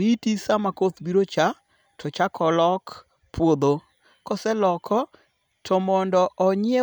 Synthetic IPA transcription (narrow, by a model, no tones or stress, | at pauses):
ɾitisamakot̪biɾot͡ʃa | tʰɔt͡ʃakʰɔlɔk | pwod̪o | kɔsɛlɔkʰɔ | tʰɔmɔndɔʔɔɲɪe